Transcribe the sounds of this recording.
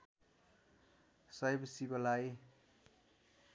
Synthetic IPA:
sʌjbsibʌlaj

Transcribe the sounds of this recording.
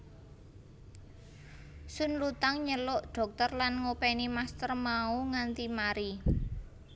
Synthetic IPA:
sʊnlut̪aŋɲəlʊʔɖ̥ɔ̤k̚t̪ɔrlanŋopɛnimast̪ərmauŋant̪imaɾi

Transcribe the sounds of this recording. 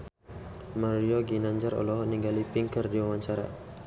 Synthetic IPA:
maɾioɡinaɲd͡ʒaɾɔ̰lɔɦɔniŋɡalipiŋkərdiwawaɲt͡ʃaɾa̰

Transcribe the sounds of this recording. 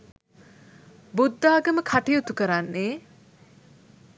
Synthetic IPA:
bud̪ːaːɡəməkʰaʈijut̪ukəɾanːeː

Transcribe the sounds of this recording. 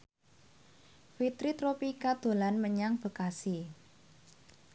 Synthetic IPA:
fit̪ɾit̪ɾopikad̪̥o̤lanməɲaŋb̥ə̤kasi

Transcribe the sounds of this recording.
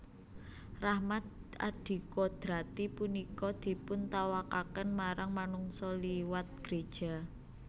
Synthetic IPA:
rahmat̪̚a̰d̪̥i̤kɔd̪̥ɾat̪ipunikɔd̪̥i̤pʊnt̪awakakənmaɾaŋmanuŋsɔliwat̪̚ɡ̥ɾed̥ʒ̥a̤

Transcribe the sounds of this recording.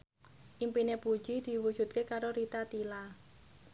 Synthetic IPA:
ʔimpinepu̥ʒ̥id̪̥i̤wud̥ʒ̥ṳt̪̚kekaɾoɾit̪at̪ila

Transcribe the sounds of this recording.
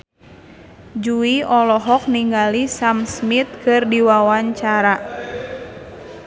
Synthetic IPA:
d͡ʒuiɔlɔɦɔk̚niŋɡalisamsmit̪̚kɨrdiwawaɲt͡ʃaɾa

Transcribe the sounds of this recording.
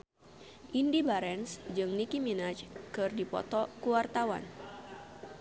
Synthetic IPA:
ʔindibaɾɛnsd͡ʒɨŋnikiminat͡ʃkɨrdipɔ̰t̪ɔkuwart̪awa̰n

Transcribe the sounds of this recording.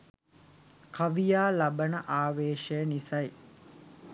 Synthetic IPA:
kaʋijaːlabənəʔaːʋeːʃəjənisɐj

